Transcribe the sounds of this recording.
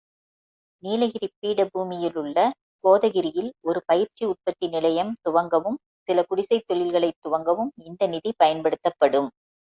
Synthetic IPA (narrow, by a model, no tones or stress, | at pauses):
niːlɐɣɪɾipːiːɽɐbuːmɪjɪlɯɭːɐ | koːðɐɣɪɾɪjɪlɔɾɯpɐjɪɾt͡ʃiʊʈ̚pɐt̪ːɪnɪlɐjɐmt̪ʊʋɐŋɡɐʋɯm | sɪlɐkʊɽɪsɐɪt̪ːɔɭɪlɣɐɭɐɪt̪ːʊʋɐŋɡɐʋɯmɪnd̪ɐnɪðipɐjɐnpɐɽɯt̪ːɐpːɐɽɯm